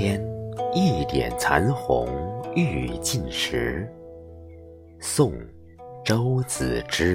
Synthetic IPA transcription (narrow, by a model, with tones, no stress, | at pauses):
ɛ˥ni˥˩t̪jɛ̰˨˩nt͡sʰa˧˥nxʊ̰˧˥ŋy˥˧t͡ɕi˥˩nʂɻ̩˧˥ | sʊ˥˩ŋ | ʈ͡ʂo˥ʊt͡sɹ̩˨˩ʈ͡ʂɻ̩˥